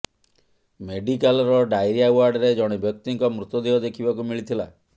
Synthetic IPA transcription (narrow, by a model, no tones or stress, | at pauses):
meɖikalɾɔɖajɾijawaɾɖɾed͡ʒɔɽ̃ibjɔk̚t̪iŋkɔmɾut̪ɔd̪iɔd̪ekʰibakumiɭit̪ʰila̰